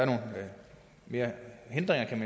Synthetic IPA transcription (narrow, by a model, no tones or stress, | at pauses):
æɐno̝ːn̩ | me̝ːɐhe̝nd̥ʁeŋɐkʰæmæ